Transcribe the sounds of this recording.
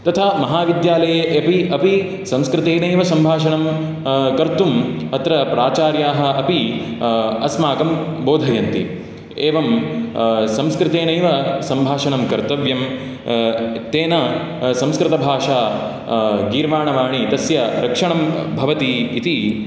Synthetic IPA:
t̪ɐt̪ʰamɐɦaːʋid̪jaːlɐjeːʔɐpiɐpi | sɐ̃mskɾɪt̪eːnɐjʋɐsɐmbʱaːʂɐɳɐm | kɐɾt̪umɐt̪ɾɐpɾaːt͡ʃaːɾjaːɦɐ̆ʔɐpi | ɐsmaːɡɐmboːd̪ʱɐjɐnt̪ḭ | eːʋɐm | sɐ̃mskɾɪt̪eːnɐjʋɐsɐmbʱaːʂɐɳɐmkɐɾt̪ɐʋjɐm | t̪eːnɐ | sɐ̃mskɾɪt̪ɐbʱaːʂaː | ɡiːɾʋaːɳɐʋaːɳit̪ɐsjɐɾɐkʂɐɳɐmbʱɐʋɐt̪iːt̪i

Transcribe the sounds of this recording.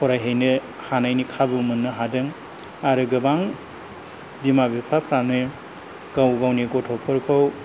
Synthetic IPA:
kʰɔɾajɦejnɯ | hanajnikʰabumɯnːɯɦadɯŋ | aɾɯɡɯbaŋ | bimabipʰapʰɾanoj | ɡ̥awɡawniɡɔtʰɔpʰɔɾkʰɯw

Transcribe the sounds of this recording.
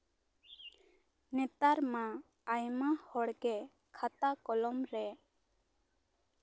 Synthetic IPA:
nɛt̪aɾmãː | jmahɔɽɡɛ | kʰat̪akɔlɔmɾɛ

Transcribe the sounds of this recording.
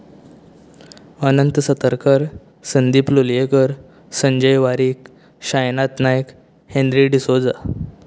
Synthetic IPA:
ənənt̪sət̪əɾkəɾ | sənd̪iːpluljekəɾ | səɲd͡ʑəjʋaɾiːk | ɕajnat̪najk | hẽnd̪ɾiɖisod͡za

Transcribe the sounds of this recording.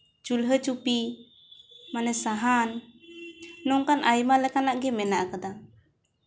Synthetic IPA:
t͡ʃulɦət͡ʃupi | manɛsaɦan | ɔŋkanʔajmalɛkanaʔɡɛmɛnaʔkad̪a

